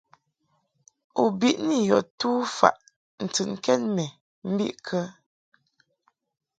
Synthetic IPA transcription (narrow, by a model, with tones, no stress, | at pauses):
u˨bi˦˨ʔni˦jɔ˨tu˦fa̰˨ʔ | n̩˨tɨ˨n˦kɛ˦nmɛ˨ | m̩˦bḭ˦ʔkʰə˦